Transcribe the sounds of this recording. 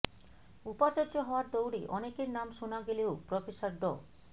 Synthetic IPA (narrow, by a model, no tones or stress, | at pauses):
upat͡ɕaɾd͡ʑoɦɔaɾd̪owɽiʔɔnekeɾnamʃonaɡeleopɾɔfesaɾɖɔ